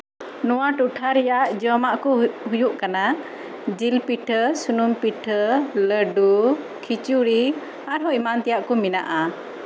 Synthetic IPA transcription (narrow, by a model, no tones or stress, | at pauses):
nuaʈuʈʰaɾjaʔd͡ʒɔmaʔkuɦujuʔkana | d͡ʒilpiʈʰəsunumpiʈʰələɖu | kʰit͡ʃuɾi | aɾɦɔimant̪ijaʔkumina̰ʔa